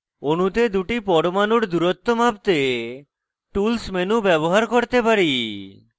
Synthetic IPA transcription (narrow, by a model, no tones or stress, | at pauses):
onut̪ed̪uʈipɔɽomanuɾd̪uɾot̪ːomab̚t̪e | ʈulsmenubɛβoɦaɾkoɾt̪epaɾi